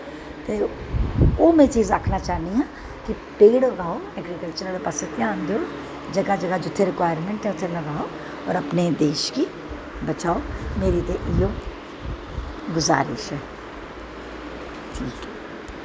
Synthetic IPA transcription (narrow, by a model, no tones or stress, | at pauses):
t̪e | oːmɛ̃t͡ʃiːzaːkʰnat͡ʃaːniɦãː | ki | peːɽlɐɡaːoɛːɡɾikəlt͡ʃəɾapasət̪ijãːnd̪o | d͡ʒɐɡad͡ʒɐɡad͡ʒʊt̪ʰːeɾɪkʋaːjəɾmẽɳʈɦɛ̃ʊt̪ʰːelɐɡaːo | ɔ̰ːɾɐpned̪eːʃki | bɐt͡ʃaːomeːɾit̪eʔɪjoː | ɡʊza̰ːɾɪ̰ʃɦɛː | ʈʰiːkɛ